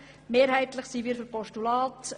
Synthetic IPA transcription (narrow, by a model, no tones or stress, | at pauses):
meːɾhɛɪt̪ləχsiʋiːɾfyɾpɔʃtulɑːt